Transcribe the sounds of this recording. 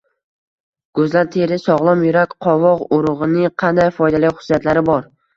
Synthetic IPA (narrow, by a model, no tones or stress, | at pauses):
ɡ̥ɵzlaɾt̪ʰe̞ɾɪsɒʁlˠɒmjʊɾakʲqʰɒvɒqʊɾʊʁɨnɪqʰɑnd̪ajfɒjd̪alɪχʊ̥sjat̪laɾɪbɒɾ